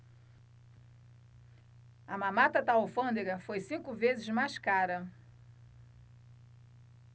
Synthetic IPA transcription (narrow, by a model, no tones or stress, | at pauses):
ɐmãmat̪ɐt̪aofɐ̃d̪eɡɐfojsĩkʊvezɪzmajskaɾɐ